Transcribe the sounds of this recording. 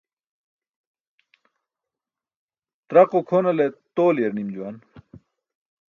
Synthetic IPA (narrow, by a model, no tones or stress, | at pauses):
t̪ɾɐqokʰoːnɐlet̪oːlijeɾnimd͡ʑuwan